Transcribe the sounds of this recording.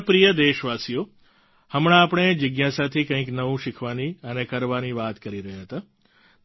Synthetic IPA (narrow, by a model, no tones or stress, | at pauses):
pɾijəd̪eʃʋasijo | həmɽ̃ãːpɳ̃ed͡ʒəɡjasat̪ʰikə̃ĩknəʋũʃɪkʰʋaniənekəɾʋaniʋat̪kəɾiɾəɦjaɦət̪a